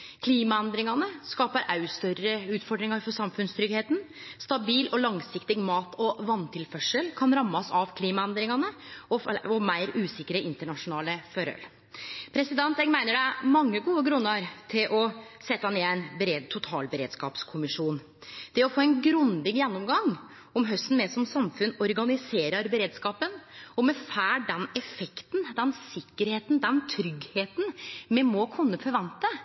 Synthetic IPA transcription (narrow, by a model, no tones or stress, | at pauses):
kʰliːmɑɛnd̪ɾɪŋɑnəskɑːpəɾʔɑʉst̪œɾəʉːt̪fɔɖɾɪŋɑɾfɔʂɑmfʉnst̪ʰɾʏɡheːt̪n̩st̪ɑbiːlʔɔlɑŋsɪkt̪ɪɡmɑːt̪ʰɔʋɑnt̪ʰɪlfœʂəlkʰɑnɾɑmːɑsɑʋkʰliːmɑɛnd̪ɾɪŋɑnəɔɔmæɪɾʉːsɪkːəɾəʔɪnt̪əɳɑʂʊnɑːləfœɾœ̰l | pʰɾɛsɪd̪ɛnt̪ɛɡmæɪnəɖæɪmɑŋːəɡuːəɡɾʉnːəɾt̪ʰɪlʔɔsɛt̪ːɑneːæɪnbɛɾeːd̪t̪ʰʊt̪ʰɑ̰ːlbəɾḛːd̪skɑ̰ːpskʰʊmɪʂuːn | d̪̥ɛɔfoːɛnɡɾʉnd̪ɪɡjɛnːɔmɡɑŋ | ɔmɦœst̪n̩mɛsɔmsɑmfʉnːɔɾɡɑnɪseːɾəɾbɛɾeːd̪skɑːpənɔmɛfæːɖɛnɛfɛkt̪nd̪ɛnsɪkːəɾheːt̪n̩d̪ɛnt̪ʰɾʏɡheːt̪n̩mɛmɔkʰʊnːəfɔɾʋɑnt̪ə